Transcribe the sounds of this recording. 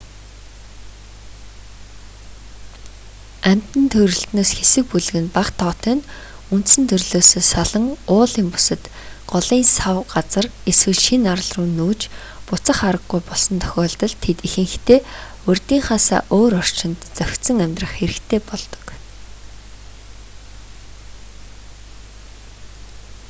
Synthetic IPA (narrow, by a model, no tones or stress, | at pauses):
æm̥ʲt̪ɘ̆nt̪ʰɵɾɵ̆ɬt̪noːsxesɘ̆k̚puɮɘ̆ɣɘ̆npaqt̪ʰɔːt̪eːn | unt̪sɘ̆nt̪ʰɵrɮoːsoːsaɮə̆ŋʊːɮiːmpu̥sə̆t̪ | ɢ̥ɔɮiːnsawɢat͡sə̆reswɘ̆ɮʃinaɾə̆ɮrʊːnːuːt͡ɕ | pʊt͡sə̆χaɾə̆ɡːujpɔɮsɞ̆nt̪ʰœ̥xʲɔːɮt̪ə̆ɮt̪ʰet̪ixɘ̆ŋxʰt̪ʰeː | ɵrʲt̪iːŋχaːsa̰ːʔoːɾɔr̥t͡ɕɪ̆nt̪t͡sœwʲt̪sə̆ŋæmʲt̪rə̆χxeɾɘ̆kt̪ʰeːpɔɮt̪ɞ̥̆k